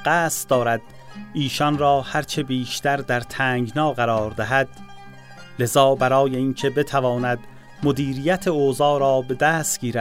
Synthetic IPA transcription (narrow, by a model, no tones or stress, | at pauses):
ɢæːst̪d̪ɒːɾæd̪̥ | ʔiːʃɒnɾɒːhæɾt͡ʃʰe̞biːʃt̪æɾd̪æɾt̪ʰæːŋɡnɒːɣæɾɒːɾd̪æɦæd̪̥ | le̞zɒːbæɾɒːje̞iːncʰe̞be̞t̪ʰævɒːnæd̪ | mod̪iːɾijæt̪ʰeoːzɒːɾɒːbe̞d̪æːst̪ɡ̥iːɾæd̪̥